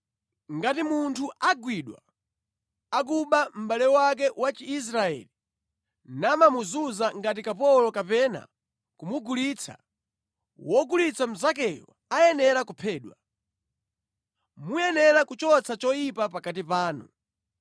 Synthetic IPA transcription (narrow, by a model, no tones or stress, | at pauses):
ŋɡatimuntʰuʔaɡwiɗwa̰ː | k̬uɓam̩ɓalɛwak̬ɛwat͡ʃiːs̬ɾaɛ̰li | namamuzuzaŋɡat̬ikapɔlɔkapɛna̰ | kumuɡulit͡sʰa̰ | wɔɡulit͡sʰam̩zak̬ɛjɔ̰ | ajɛnɛɾakupʰɛːɗwa | mujɛnɛɾakut͡ʃɔt͡sʰat͡ʃɔjipapakat̬ipaːnṵ